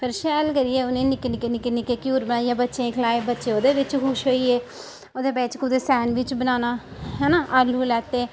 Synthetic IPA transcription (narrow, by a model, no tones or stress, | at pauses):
pʰɪɾʃɛːlkəɾiɛːʊnẽːnɪkːnɪkenɪkenɪkːeːkjuːɾbənaːijãːbətːʃẽːkʰəlaːebətːʃeːoːd̪eːʋɪt͡ʃkʊʃɦoːiːeː | oːd̪eːbeːt͡ʃkud̪eːsɛːnʋɪt͡ʃbənaːnaː | ɦɛːnaːʔaːluːlɛːt̪eː